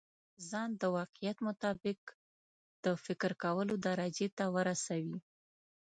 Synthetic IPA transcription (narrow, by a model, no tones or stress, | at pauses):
zɑnd̪əwɑqɪjat̪mʊt̪ɑbɪk | d̪̥əfɪkɾkawəlod̪aɾad͡ʒet̪awəɾasawi